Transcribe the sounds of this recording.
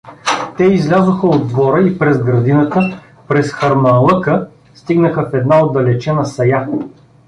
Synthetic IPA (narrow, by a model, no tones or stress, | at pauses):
t̪ɛizlʲazoxəod̪vɔɾəipɾɛzɡɾɐd̪inət̪ə | pɾɛsxɐɾnɐlˠɤkə | st̪iɡnəxəfɛd̪naod̪ːɐlɛt͡ʃɛnəsɐja